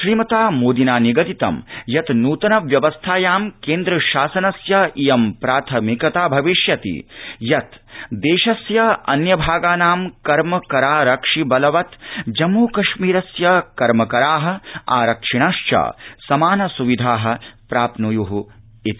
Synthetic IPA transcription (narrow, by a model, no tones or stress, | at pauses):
ʃɾiːmɐt̪aːmoːd̪inaːniɡɐd̪it̪ɐ̰mjɐt̪nuːt̪ɐnɐʋjɐʋɐst̪ʰaːjaːmkeːnd̪ɾɐʃaːsɐnɐsjɐijɐmpɾaːt̪ʰɐmikɐt̪aːbʱɐʋiʃjɐt̪ḭjɐt̪d̪eːʃɐsjɐɐ̰njɐbʱaːɡaːnaːmkɐɾmɐkɐɾaːɾɐkʂibɐlɐʋɐt̪d͡ʒɐmːoːkɐʃmiːɾɐsjɐkɐɾmɐkɐɾaːɦɐ̆a̰ːɾɐkʂiɳaːʃt͡ʃa̰ːsɐmaːnɐsuʋid̪ʱaːɦɐ̆pɾaːpnujuɦu | it̪